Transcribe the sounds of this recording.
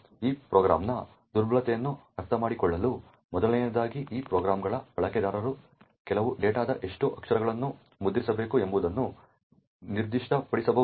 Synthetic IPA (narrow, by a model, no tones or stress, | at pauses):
iːpɾoːɡɾa̰ːmnɐ | d̪uɾbʱɐlɐt̪ɛjɐnːuɐɾt̪ʰɐmaːɽikɔɭːɐlu | mɔd̪ɐlɛjɐd̪aːɡiʔiːpɾoːɡɾaːmɡɐɭɐbɐɭɐkɛd̪aːɾɐɾu | kɛlɐʋuɖeːʈaːd̪ɐʔe̞ʂʈuʔɐkʂɐɾɐɡɐɭɐnːu | mud̪ɾisɐbe̞ːkuembud̪ɐnːu | niɾd̪iʂʈɐpɐɽisɐbɐ